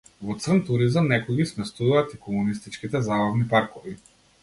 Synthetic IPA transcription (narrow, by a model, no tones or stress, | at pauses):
vɔt̪srnt̪uɾizamnɛkɔɡismɛst̪uvaːt̪ikɔmunist̪it͡ʃkit̪ɛzabavnipaɾkɔvi